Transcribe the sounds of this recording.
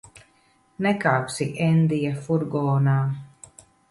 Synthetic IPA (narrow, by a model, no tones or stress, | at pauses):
nɛkaːpsiʔɛnd̪ijafuɾɡɔːnaː